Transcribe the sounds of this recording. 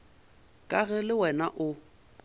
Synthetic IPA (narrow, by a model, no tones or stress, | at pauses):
kʼaɣɛlɪwɛnaʔʊ